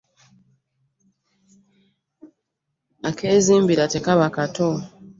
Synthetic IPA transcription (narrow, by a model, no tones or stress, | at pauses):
akeːziːmbiɾatekaβakato